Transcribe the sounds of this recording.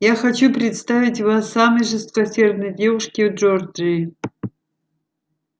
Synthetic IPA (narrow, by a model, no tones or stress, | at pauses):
jaxɐt͡ɕupɾʲɪt̪st̪avʲitʲvasːamɨjʐɨst̪̚kɐsʲerd̪nɨjdʲevɨʂkʲɪwd͡ʒord͡ʒɨ